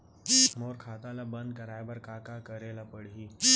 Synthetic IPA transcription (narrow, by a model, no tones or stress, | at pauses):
moːɾkʰat̪alabənd̪̚kəɾajbəɾkakakəɾelapəɽɦiː